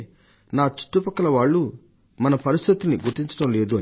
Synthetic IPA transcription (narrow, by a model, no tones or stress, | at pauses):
naːt͡ʃi̥ʈːupɐkːɐlɐʋaːɭːu | mɐnɐpɐɾist̪ʰit̪ulniɡuɾt̪iɲt͡ʃɐʈɐmle̞ːd̪uɐn